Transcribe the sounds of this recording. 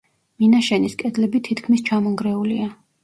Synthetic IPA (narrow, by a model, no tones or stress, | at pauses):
minaʃɛniskʼɛd̪lɛbit̪ʰit̪ʰkʰmist͡ʃʰamɔŋɡɾɛulia